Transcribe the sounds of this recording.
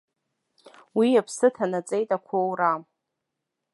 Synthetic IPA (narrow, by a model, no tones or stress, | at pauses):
wiapʰsɨtʰanat͡sʼejtʼakʷʰowram